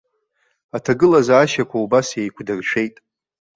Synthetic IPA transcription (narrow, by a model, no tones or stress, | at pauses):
atʰaɡɨlazaaːʃakʷʰaubasejkʷʰdɨrʂʷʰe̞jtʼ